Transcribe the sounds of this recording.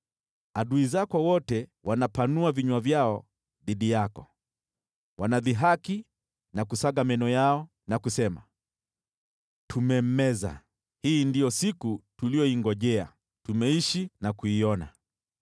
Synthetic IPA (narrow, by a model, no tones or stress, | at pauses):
aɗuizakɔwɔtɛwʔanapanuaviɲwavjaɔ | ðiɗijakɔ | wʔanaðiɦaki | nakusaɠamɛnɔjaɔ | nakusɛma̰ | tʰumɛm̩ɛza̰ | hiːndijɔsikutulijɔiŋɡɔʄɛa̰ | tumɛiʃinakuiɔna̰